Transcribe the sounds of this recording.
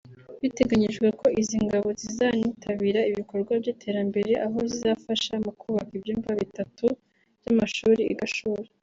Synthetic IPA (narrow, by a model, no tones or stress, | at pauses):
βite̞ɡaɲiʒɡwe̞ko̞ʔiziŋɡaβo̞zizanitʰaβiɾaiβiko̞ɾɡwabɟitʰe̞ɾambe̞ɾe̞ʔaɦo̞zizafaʃamukuːβakibjiːmvaβitatu̥ | jamaʃuːɾiḭɡaʃuːɾe